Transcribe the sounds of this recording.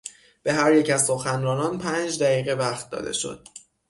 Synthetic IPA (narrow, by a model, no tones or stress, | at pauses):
b̥e̞ɦæɾjecæzso̞xænɾɒːnɒːnpʰænd͡ʒd̪æɣiːɣe̞væxt̪̚d̪ɒ̰ːd̪e̞̰ʃo̞̰d̪̥̚